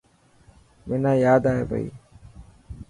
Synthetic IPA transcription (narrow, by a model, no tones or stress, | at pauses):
mɪnãːjaːd̪aːjḛbə̰ḭː